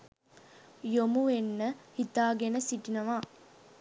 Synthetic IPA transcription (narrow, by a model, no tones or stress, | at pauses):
jomuʋenːəhit̪aːɡenəsiʈinɐʋa